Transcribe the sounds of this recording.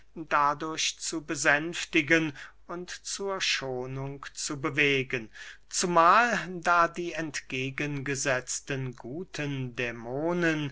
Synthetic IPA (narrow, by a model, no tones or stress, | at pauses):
d̥adʊɐɕt͡subəzɛnftɪɡən | ʊntt͡suːɐʃoːnʊŋkt͡subəveːɡən | t͡sumaːldaːdiːɛntɡ̥eːɡənɡəzɛt͡stənɡuːtʰəndɛmoːnən